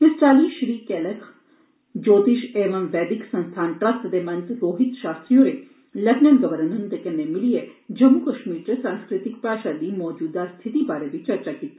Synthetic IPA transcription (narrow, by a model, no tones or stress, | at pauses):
ɪsʈaːliʃɾiːkeləkʰ | d͡ʒoːt̪iʃeːʋɐmʋɛːd̪ɪksɐ̃nst̪ʰaːnʈɾɐst̪d̪emɐ̃nt̪ɾoːɦɪt̪ʃaːst̪ɾijõɾe | lɐknɐnɡɐʋəɾənənt̪ekenːemɪlied͡ʒɐmːukɐʃmiːɾt͡ɕesãːnskɾɪt̪ik̚pɾaːʃalimɔːd͡ʒuːd̪ast̪ʰit̪ibaːɾebit͡ʃɐɾt͡ʃakiːt̪i